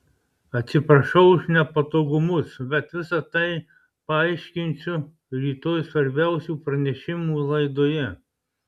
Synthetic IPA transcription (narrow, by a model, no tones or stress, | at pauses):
ɐt̪ʲsʲɪpɾɐʃɐʊʊʃnʲɛpɐt̪oːɡʊmʊsbʲɛt̪ʋʲɪsɐt̪ɐɪ | pɐɐɪʃʲkʲɪnʲsʲʊ | ɾʲiːt̪oːjsʋɐɾʲbʲæˑʊsʲuːpɾɐnʲɛʃʲɪmuːlˠɐɪd̪oːjɛ